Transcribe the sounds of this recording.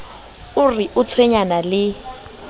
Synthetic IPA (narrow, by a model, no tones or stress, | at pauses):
ʊrɪʔʊt͡sʰweɲanalɪ